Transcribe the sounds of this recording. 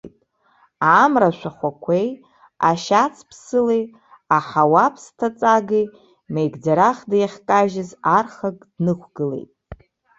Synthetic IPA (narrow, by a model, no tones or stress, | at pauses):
tʼ | amraʃʷᶣaχʷakʷʰej | aʃat͡sʰpʰsɨlej | aħawapʰstʰat͡sʼaɡij | mejɡd͡zaɾaχdajχʲkʼaʒɪzarχakʼdnɨkʷʰɡɨlḛjtʼ